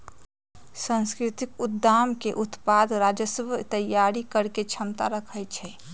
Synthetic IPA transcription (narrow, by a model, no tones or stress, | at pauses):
sə̃nskɾɪt̪ikud̪ːamkeʔut̪pad̪ɾad͡ʒəsəbt̪əjaɾikəɾket͡ʃʰəmt̪aɾəkʰəjt͡ʃʰɛ